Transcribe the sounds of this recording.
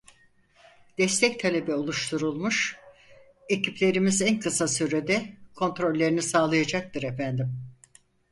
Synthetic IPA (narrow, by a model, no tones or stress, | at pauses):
d̪̥ɛst̪ʰɛct̪ʰalʲe̞bɛo̞lˠuʃt̪ʰuɾulˠmuʃ | e̞cʰiplʲe̞ɾimizænkʰɯsasyɾed̪ɛkʰo̞nt̪ɾo̞lʲːe̞ɾinisaːlˠajad͡ʒak̚t̪ʰɯɾefænd̪im